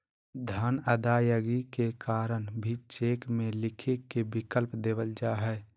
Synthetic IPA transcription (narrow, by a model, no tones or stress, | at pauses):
d̪ʱaːnəd̪aːjəɡikekaːɾənbʱit͡ʃeːkmẽlɪkʰekebɪkəlpd̪eːbəld͡ʒaɦɛ